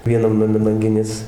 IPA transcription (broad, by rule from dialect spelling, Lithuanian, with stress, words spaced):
ʋʲiɛˈnɐm nɐˈmʲɛ lˠɐŋʲˈɡʲɪnʲeːs